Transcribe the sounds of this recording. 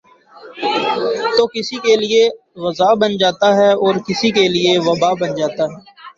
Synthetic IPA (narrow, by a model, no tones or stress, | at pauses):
t̪oːkɪsikelɪe | ʋɐzaːbənd͡ʒaːt̪aɦɛːɔːɾkɪsikelieʋɐbaːbənd͡ʒaːt̪aɦɛː